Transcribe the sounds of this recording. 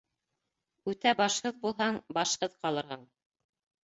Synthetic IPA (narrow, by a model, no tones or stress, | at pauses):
ʉt̪æbɑʃhɤðbulˠɦɑɴbɑʃhɤðqɑlˠɤ̆ɾʁɑɴ